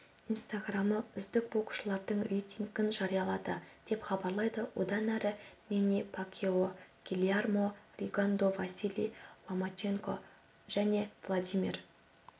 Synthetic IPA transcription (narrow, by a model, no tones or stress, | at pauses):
inst̪aɡraməʏzd̪ɪk̚bo̞qu̥ʃəlˠɑɾd̪əɴrʲejt̪ʲiŋɡʲɪnʒɑɾijɑlˠɑd̪əd̪̥e̞pχɑbɑɾlˠɑjd̪əwo̞̰d̪ɑnæɾɪmenepʰakʲʰeoɡ̥ʲilʲiarmo̞rʲiɡand̪o̞vasʲilʲḭjlˠomat͡ʃe̞ŋko̞̰ | ʒ̥æne̞vlˠad̪ijmʲir